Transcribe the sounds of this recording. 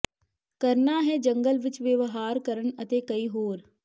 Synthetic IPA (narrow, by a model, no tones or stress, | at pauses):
kəɾnaːɦɛːd͡ʒəŋɡəlʋɪt͡ʃʋeʋɦaːɾkəɾənət̪eːkəiːɦoːɾ